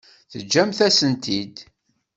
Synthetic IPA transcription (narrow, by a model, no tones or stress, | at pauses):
θəd͡ʒːæmθæsənt̪id̪